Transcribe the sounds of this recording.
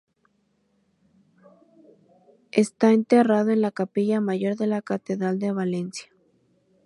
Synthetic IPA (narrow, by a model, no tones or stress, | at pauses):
est̪aent̪eraðoe̞nlakapiʝamaʝo̞ɾðe̞lakat̪eðɾald̪e̞βalensjḁ